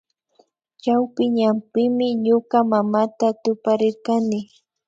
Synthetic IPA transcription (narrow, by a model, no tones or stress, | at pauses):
t͡ʃawpɪɲampɪmɪɲoɢamamat̪at̪ʊpaɾɪɾkanɪ